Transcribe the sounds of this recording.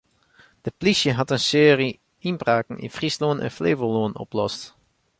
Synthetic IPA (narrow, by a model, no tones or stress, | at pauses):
d̥əplisjəɦɑtənsɪːri | ɪnbraːkn̩ɪ̰nfrisloːnə̰nfleːvəloːnɔ̰plɔst